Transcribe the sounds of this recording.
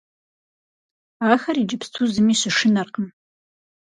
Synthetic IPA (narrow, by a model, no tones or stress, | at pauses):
aːxɐriːd͡ʒɨpstʰuzɨmiːɕɪʂɨnɐrqəm